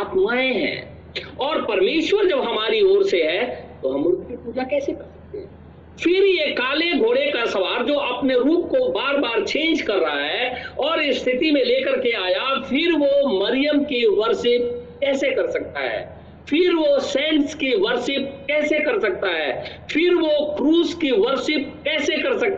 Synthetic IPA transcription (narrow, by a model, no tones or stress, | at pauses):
aːt̪maːẽɦɛ̰̃ː | ɔːɾpɐɾmeːʃwəɾd͡ʒɐbɦɐmaːɾiɔːɾseɦɛ̃t̪oɦɐmɾuːp̚kipuːd͡ʒakɛːsekɐɾsɐ̥k̚t̪eɦɛ̃ | fʰɪɾjekaːleɡʱoːɽekasɐʋaːɾd͡ʒoːʔɐpneɾuːp̚kobaːɾbaːɾt͡ʃẽːnd͡ʒkɐɾːɐɦaɦɛɔːɾɪst̪ʰɪt̪imẽleːkəɾkeaːjafʰɪɾʋomɐɾɪjəmkiʋɐɾʃɪp̚kɛːsekɐɾsɐk̚t̪a̰ɦɛ̰ː | fʰɪɾʋosɛ̃ːɳʈskiʋəɾsɪp̚kɛːsekɐɾsɐk̚t̪aɦɛː | fʰɪɾʋokɾuːzkiʋəɾʃɪp̚kɛːsekɐɾsɐk̚t̪